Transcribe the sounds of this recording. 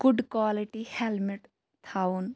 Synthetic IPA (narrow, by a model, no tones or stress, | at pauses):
ɡ̥ʊɖkwaːliʈihɛlmiʈ | t̪ʰaun